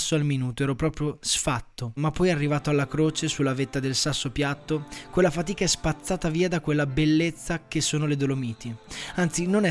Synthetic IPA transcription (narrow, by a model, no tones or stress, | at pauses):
sːoalminuːt̪oɛːɾopɾɔːpɾjosfat̪ːomapːɔjarːivaːt̪oalːakɾoːt͡ʃesulːavet̪ːad̪elsasːopjat̪ːokwelːafat̪iːkaɛspat̪sːaːt̪aviːad̪akwelːabelːet̪sːakesːoːnoled̪olomiːt̪ʰiant̪sinonɛ